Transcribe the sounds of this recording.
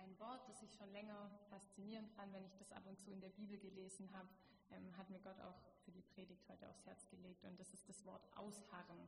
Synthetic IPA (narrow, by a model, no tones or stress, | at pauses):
ʔaɪnvɔɐt̚d̥asɪçʃoːnlɛŋɐfast͡siniːʁ̞əntfantvɛnɪçd̥asʔa̰pʊntt͡suːɪndeːɐbiːbl̩ɡəleːzn̩ɦaːbə | ʔɛːmɦatmiːɐɡɔtʰa̰ʊxfyːɐdiːpʁ̥eːdɪç̚thɔʏtəa̰ʊfshɛɐt͡sɡ̥əleːk̚tʊntd̥asɪast̚d̥asv̥ɔɐtʔa̰ʊshaʁən